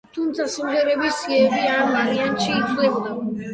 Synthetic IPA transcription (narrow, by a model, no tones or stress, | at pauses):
t̪ʰumt̪sʰasumχɛɾɛbisiɛːbiamaɾianʃiːt̪ʰlɛbd̪a